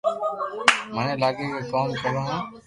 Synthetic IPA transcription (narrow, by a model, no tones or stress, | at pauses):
mənẽːlaːɡeːkeːkaːmkəɾoːɦãː